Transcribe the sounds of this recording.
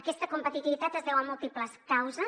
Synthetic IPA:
əkɛst̪əkumpət̪it̪iβit̪at̪əzðɛwəmulˠt̪ipləskawzə

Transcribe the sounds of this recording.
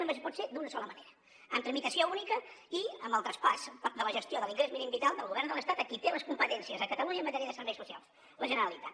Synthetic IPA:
məspɔt̪sed̪unəsɔləməneɾə | əmt̪ɾəmit̪əsiounikəiəmbəlˠt̪ɾəspaspd̪ələʒəst̪joðəliŋɡɾezminimbit̪alˠd̪əlˠɣuβɛɾrnd̪əlˠəst̪at̪əkit̪eləskumpət̪ɛnsiəzəkət̪əluɲəmːət̪ɛɾiəðəsəɾβɛjsusia̰lˠs | ləʒənəɾəlit̪at̪

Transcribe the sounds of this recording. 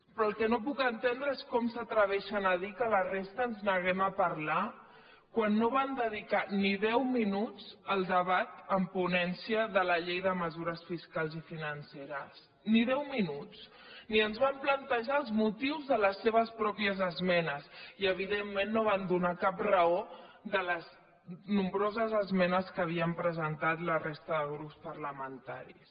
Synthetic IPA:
pɾɔəlˠkɛnop̬ukənt̪end̪ɾəeskɔmsət̪ɾəβ̞ɛʃənəðikələrest̪əːnznəɣ̞ɛməpɐɾla | kwanːoβand̪əðikaniðɛwminut͡səlˠd̪əβat̪əmpunɛnsiəðələʎejðəməzuɾəsfiskalˠzifinənseɾəs | niðɛwminut͡s | niənzβamplənt̪əʒaəlˠzmut̪iwzðələsːeβ̞əspɾɔpiəzəzmɛnəsiəβiðemːenːoβ̞and̪unakaprəoðələz | numbɾozəzəzmɛnəskəːβiəmpɾəzənt̪at̪lərest̪əðəɣɾupspəɾləmənt̪a̰ɾḭs

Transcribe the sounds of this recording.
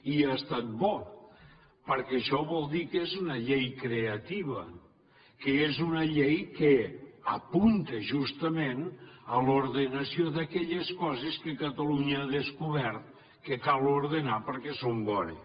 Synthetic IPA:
iast̪at̪̚bɔ | pəɾkɛʃɔβɔlˠd̪ikezunəʎejkɾeət̪iβə | kəezunəʎejkeə̰punt̪əʒust̪əmenəloɾðənəsioðəkɛʎeskɔzeskəkət̪əluɲəaðəskuβɛɾt̪̚ | kəkalˠoɾðenapəɾkɛsombɔnḛ

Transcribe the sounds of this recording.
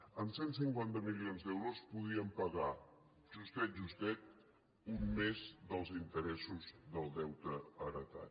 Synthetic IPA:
əmsens̬iŋkwant̪əmilionzd̪ɛwɾospuðiəmpəɣa | ʒust̪ɛt̪̚ʒust̪ɛt̪̚ | umːezðəlˠzint̪əɾɛsuzðəlˠd̪ɛwt̪əːɾət̪a̰

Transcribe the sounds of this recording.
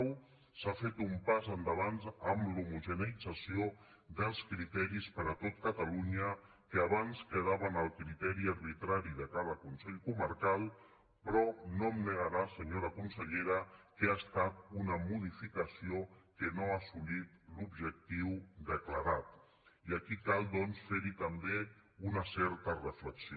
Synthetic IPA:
w | safet̪umpazənd̪əβanzəmlumuʒənəid͡zəsio | d̪əlˠskɾit̪ɛɾispəɾət̪ot̪kət̪əluɲə | kəaβanskəð̞aβənəlˠkɾit̪ɛɾiəɾβit̪ɾaɾiðəkað̞əkunsɛʎkuməɾkalˠ | pɾɔnomnəɣəɾasəɲoɾəkunsəʎeɾəkeast̪at̪̚unəmuð̞ifikəsiokənoasulit̪lubʒək̚t̪iwd̪əkləɾat̪ | iəkikalˠd̪ɔnsfeɾit̪əmbeunəsɛɾt̪ərəfləks

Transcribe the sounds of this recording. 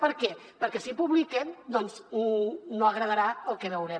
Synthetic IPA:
pəɾkɛ | pəɾkɛsipuβlikɛmd̪ɔnznonoəɣɾəðəɾaəlˠkɛβəwɾɛm

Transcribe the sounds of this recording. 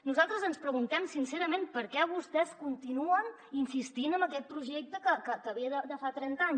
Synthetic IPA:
nuzalˠt̪ɾəzənspɾəɣunt̪ɛmsinseɾəmenpəɾkɛβ̞ust̪ɛskunt̪inuən | insist̪inəmbəkɛt̪̚pɾuʒek̚t̪əkəkəkəːβiəðəd̪əfat̪ɾɛnt̪aɲ

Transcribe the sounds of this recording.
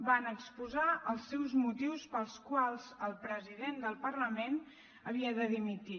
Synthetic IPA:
banəkspuzaəlˠsːɛwzmut̪iwspəlˠskwalˠz̥əlˠpɾəziðend̪əlˠpərləmen | əβ̞iəðəðimit̪i

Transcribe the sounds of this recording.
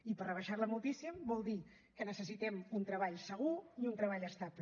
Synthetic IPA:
ipərəβəʃaɾləmulˠt̪isimbɔlˠd̪i | kənəsəs̬it̪ɛmunt̪ɾəβaʎsəɣ̞uiunt̪ɾəβ̞aʎəst̪apl

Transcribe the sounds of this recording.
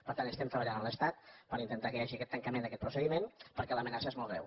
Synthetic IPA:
pəɾt̪anəst̪ɛmt̪ɾəβəʎanəmləst̪at̪̚pəɾint̪ənt̪akəjaʒiəkɛt̪ːəŋkəmend̪əkɛt̪̚pɾusəðimenpəɾkɛləmənasəezmɔlˠɣɾɛ̰w

